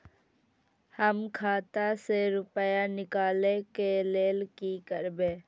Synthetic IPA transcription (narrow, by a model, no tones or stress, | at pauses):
həmkʰaːt̪aseɾʊpəjanɪkaːlekeleːlkikəɾbẽː